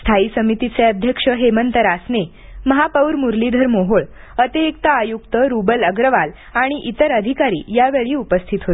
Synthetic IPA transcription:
st̪ʰaisəmit̪it͡seəd̪ʱjəkʂəɦemənt̪əɾasne | məɦapəwɾmuɾlid̪ʱəɾmoɦoɭ | ət̪eek̚t̪aajukt̪əɾubələɡɾəʋal | aɽ̃iʔit̪əɾəd̪ʱikaɾḭːjaʋeɭiːupəst̪ʰit̪ɦot̪

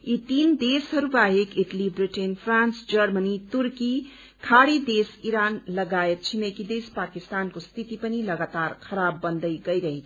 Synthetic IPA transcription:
it̪ind̪esɦəɾubaɦekiʈəlibɾiʈenpʰɾãnsd͡ʒəɾmənit̪uɾki | kʰaɽid̪esiɾanləɡajet̪̚t͡ʃʰimekid̪espakist̪ankost̪ʰit̪ipəniləɡat̪aɾkʰəɾabːənd̪əjɡəjɾəɦit̪ʰ

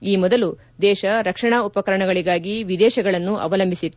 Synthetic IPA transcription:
iːmɔd̪ɐlu | d̪ɛːʃɐɾɐkʂɐɳaːupɐkɐɾɐɳɐɡɐɭiɡaːɡiʋid̪ɛːʃɐɡɐɭɐnːuʔɐ̰ʋɐlɐmbʱisit̪

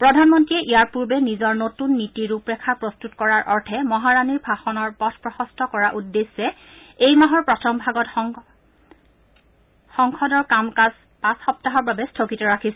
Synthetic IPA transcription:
pɹɔdʱanmɔntɹiɛʔijaɹpuɹbɛnizɔɹnotunːitiɹupɹɛkʰapɹɔstutkɔɹaɹʔɔɹtʰɛmɔɦaɹaniɹbʱaxɔnɔɹpɔtʰpɹɔxɔstʰɔkɔɹaʔudːesːɛ | ejmaɦɔɹpɹɔtʰɔmbʱaɡɔt | xɔŋkʰɔdɔɹkamkas | pasxɔp̚taɦɔɹbabɛstʰokitɔɹakʰisɛ

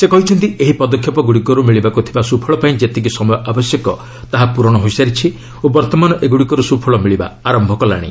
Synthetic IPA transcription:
sekɔɦit͡ʃʰɔnt̪ieɦipɔd̪ɔkʰjɔpɔɡuɽikɔɾumiɭibakut̪ʰibasupʰɔɭɔpaĩd͡ʒet̪ikisɔmɔjɔʔabɔsjɔkɔ | t̪aɦapuɾɔɽ̃ɔɦojsaɾit͡ʃʰi | obɔɾt̪ɔmanɔʔeɡuɽikɔɾusupʰɔɭɔmiɭiba̰aɾɔmbʱɔkɔla̰ɽ̃ḭ

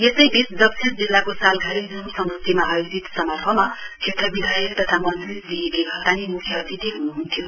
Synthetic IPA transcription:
jesʌjbisd͡zʌb̚sʰesd͡zilːakosalɡʱaɾid͡zunsʌmd̪ʌsemaːjod͡zit̪sʌmʌrpʰʌmakʰet̪rʌbid̪ʱajelt̪ʌt̪ʰamʌnt͡srisliekeɡʱʌt̪aninukʰjʌʌt̪it̪eɦunuɦunt̪ʰijo

